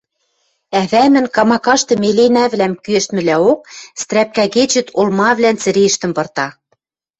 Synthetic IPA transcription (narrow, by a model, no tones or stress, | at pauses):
æβæmɘ̆nkɑmɑkɑʃt̪ɤ̆melenæβlæmkyɘ̆ʃt̪mɘ̆læok̚st̪ɾæp̚kæɣet͡ɕɘ̆t̪olmɑβlænt͡sɘ̆ɾeʃt̪ɘ̆mpɤ̆rt̪ɑ